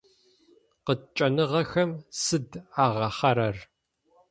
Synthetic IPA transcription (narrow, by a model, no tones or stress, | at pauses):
qət͡ʃʼɐnɨʁɐxɐmsɨdaːʁɐχɐɾɐr